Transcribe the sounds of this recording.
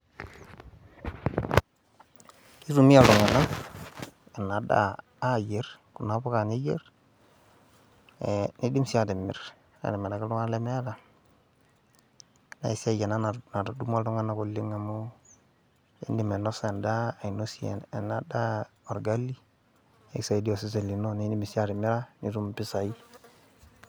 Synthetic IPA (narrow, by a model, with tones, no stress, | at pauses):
i˦ɾu˨mi˦a˨lu˨ŋa˨na˦ | e˨nːa˨da̰ː˦˨ | je˨˦ɾku˨na˨˦bu˦ka˨ni˦je˦ɾ | ni˦di˦msi˦a˨di˨mːḭ˨ɾ | a̰˨di˨me˨ɾa˨ki˦lu˦ŋa˦le˦me˦a˦da˨ | na̰˨i˦se˦˨je˨na˦na˨na˨ɾdu˦ma˦du˦ŋa˦na˨ku˨lːi˦ŋːa˨mo˦ | ḭ˦ndi˦˨me˨no˦se˨ndaː˦˨i˨no˦si˦ḛ˨ne˨nːa˨da˦o˨ɾɡa˦lːi˦ | e˦ksa˨i˨di˦o˨si˦s̬e˨li˨no˦ni˦di˦mi˨si˦a˦ɾi˨mi˦ɾa˦ni˦ɾu˦mpi˦sa˨i˦